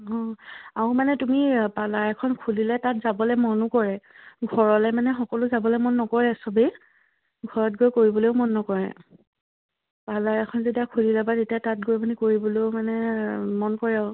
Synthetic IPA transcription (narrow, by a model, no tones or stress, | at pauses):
ɦɔ̃aʊmanɛtumipalaɹakʰɔnkʰulilɛtatzabɔlɛmɔnʊkɔɹɛ | ɡʱɔɹɔlɛmanɛxɔkɔlʊzabɔlɛmɔnːɔkɔɹɛsɔbe | ɡʱɔɹɔt̚ɡojkoɹibɔlojʊmɔnːɔkɔɹɛ̰ | palajakʰɔnzetiakʰulilabatetijatat̚ɡojmanɛkoɹibɔloʊmanɛmɔnkɔɹɛaʊ